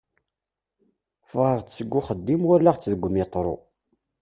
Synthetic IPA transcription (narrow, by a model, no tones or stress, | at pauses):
fʁəʁt͡sːəɡʷːʊχəd̪ːimwʊɾlaʁt͡sːðəɡʷːəmɪt̪ˤːɾˤo̰